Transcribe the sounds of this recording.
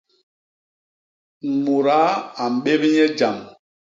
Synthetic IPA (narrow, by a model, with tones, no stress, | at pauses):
mu˨ɾa˨˦a˨m̩˨ɓe˦bi˦ɲɛ˦d͡ʒa˨m